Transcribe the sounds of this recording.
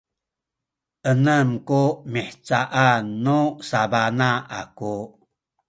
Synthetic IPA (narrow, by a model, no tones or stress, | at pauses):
ʔənəmkumiħt͡saʔanːusabanaʔa̰ku